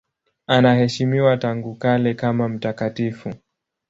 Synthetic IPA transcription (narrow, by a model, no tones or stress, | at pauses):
anahɛʃimiwataŋɡukalɛkamam̩takatifu